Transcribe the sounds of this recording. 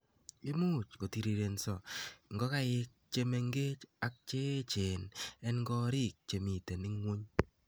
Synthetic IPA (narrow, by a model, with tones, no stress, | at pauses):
ɪ˦mu˦˨t͡ʃko˨ti˨ɾi˨ɾe˨nsɔ˨ŋɡɔ˦ka˦ɪ˦k̚t͡ʃe˦me˨˦ŋɡe˦t͡ʃa˦k̚t͡ʃe˦t͡ʃe˨nɛ˦nŋɡɔ˦ɾɪ˦k̚t͡ʃe˨mi˨te˨nɪ˦ŋwo˦ɲ